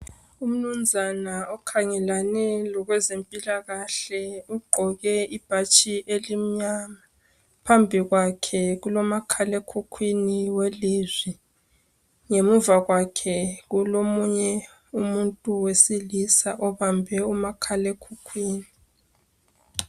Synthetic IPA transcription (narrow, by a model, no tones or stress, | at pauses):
um̩num̩zʱanaɔkʰaŋɛlanɛlɔɣwɛzempʼilaɣaɬɛuɡ͡ǃʱɔɣɛib̥ʱat͡ʃʼiʔelim̩ɲama | pʰambʱiɣwakʰɛɣulɔmakʰalekʰukʰwiniwelizwi | ŋemuvaɣwakʰɛɣulomuɲɛ | umuntʼuwesilisaʔɔβambʱɛumakʰalekʰukʰwiːni